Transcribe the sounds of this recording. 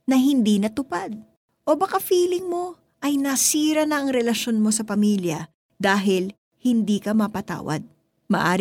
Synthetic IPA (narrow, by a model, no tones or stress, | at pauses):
nɐɦɪnd̪iːnɐt̪ʊpad̪̚ | ʔo̞bɐkafiːlɪŋmo̞ | ʔɐjnɐsiːɾɐnɐʔɐŋɾɛlɐʃo̞nmo̞sɐpɐmiːljɐ | d̪aːɦɪl | hɪnd̪iːkɐmɐpɐt̪a̰ːwɐ̰d̪̚ | mɐ̰ʔaːɾ